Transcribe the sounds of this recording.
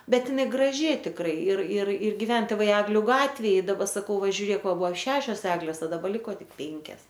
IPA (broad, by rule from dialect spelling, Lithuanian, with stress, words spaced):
ˈbʲɛt ɪˈnɐɪ ɡrɐˈʒʲɪ tʲɪkˈrɐɪ ɪr ɪr ɪr ɡʲɪˈʋʲɛn tʲeːˈʋɐɪ ˈæːɡlʲʊ ˈɡɑːtʲʋʲeːj ɪ dɐˈbɐ sɐˈkɐʊ ˈʋɐ ʒʲʊˈrʲeːk ˈʋɐ ˈbuɔ ˈʃʲæːʃʲoːs ˈæːɡlʲeːs oː dɐˈbɐ ˈlʲɪkoː ˈtʲɪk ˈpʲeːŋʲkʲɛs